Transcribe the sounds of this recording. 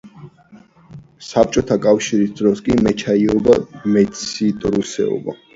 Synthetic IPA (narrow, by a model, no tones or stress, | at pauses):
sap̚ʰt͡ʃʼɔt̪ʰakʼafʃiɾisd̪ɾɔskʼimɛt͡ʃʰaiɔbamɛt̪sʰit̪ʼɾusɛ̰ɔ̰ba̰